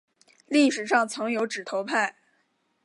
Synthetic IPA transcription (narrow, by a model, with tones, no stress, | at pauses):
li˥˩ʂɻ̩˨˩ʂɑ˥˩ŋt͡sʰɤ˧˥ŋjo˧˥ʊʈ͡ʂɻ̩˨˩t̪ʰo˧˥ʊpʰa˥˩ɪ